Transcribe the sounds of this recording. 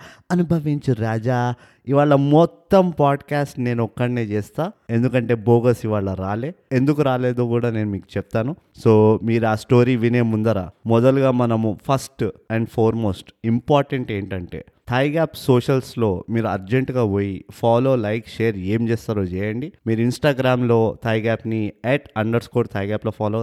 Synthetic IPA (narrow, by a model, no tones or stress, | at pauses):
ɐnubʱɐʋiɲt͡ʃiɾaːd͡ʒaː | iʋaːɭːɐmɔt̪ːɐmpaːɖkaːsʈne̞ːnɔkːɐɽneːt͡ʃɛːst̪aːe̞nd̪ukɐɳʈe̞ːboːɡɐsiʋaːɭːɐɾaːleːend̪ukuɾaːleːd̪oːkuːɽaːne̞ːnumiːku̥t͡ʃɛp̚t̪aːnu | so̞ːmiːɾuaːsʈo̞ːɾiːʋineːmund̪ɐɾaːmɔd̪ɐɭɡaːmɐnɐmupʰɐsʈɛɳɖpʰoːɾmo̞ːsʈimpaːɾʈeɳʈe̞ːɳʈɐɳʈe̞̰ː | t̪ʰɐjɡaːpso̞ːʂɐlslo̞ːmiːɾuɐɾd͡ʒeɳʈɡaːʋoːjipʰaːlo̞ːlɐjkʃeːɐɾe̞ːmt͡ʃɛːst̪aːɾoːt͡ʃɛːjɐɳɖimiːɾuinsʈaːɡɾaːmlo̞ːt̪ʰɐjɡaːpniɛːʈɐɳɖɐɾskoːɾt̪ʰɐːjɡaːploːpʰaːlo